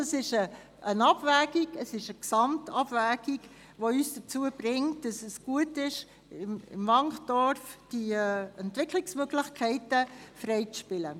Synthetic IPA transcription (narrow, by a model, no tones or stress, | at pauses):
ɑsɪʃə | ʔənɑb̥væːɡiɡəsɪʃəksɑmtɑb̥væːɡ̥iɡ | ʋoyːsd̥ət͡suəb̥ɾɪŋtd̥ɑsəsɡ̥uətɪʃ | ɪmɪ̰mvɑŋχd̥ɔɾfd̥iɛntʋɪkʰlɪksmøɡlɪχkʰɛɪtəfrɛɪt͡sʃpɪlə